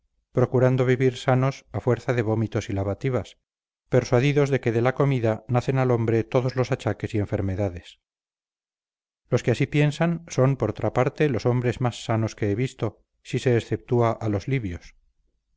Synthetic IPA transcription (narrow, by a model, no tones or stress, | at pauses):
pɾo̞kuɾand̪o̞βiβiɾsano̞safwe̞ɾθaðe̞β̞o̞mit̪o̞silaβat̪iβ̞as | pe̞ɾswaðiðo̞zðe̞ke̞ðe̞lako̞miðanaθe̞nalo̞mbɾe̞t̪o̞ðo̞zlo̞sat͡ʃake̞sie̞ɱfe̞ɾme̞ðaðe̞s | lo̞skeasipje̞nsanso̞mpoɾot̪ʰɾapaɾt̪e̞loso̞mbɾe̞zmasːano̞ske̞eβist̪o̞ | sise̞ːsθe̞p̚t̪uaʔalo̞zliβjos